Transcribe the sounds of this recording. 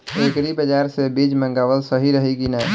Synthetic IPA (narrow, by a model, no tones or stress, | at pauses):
ekɾibəd͡ʒaɾsebid͡ʒmə̃ŋɡawəlsəɦiɾəɦikina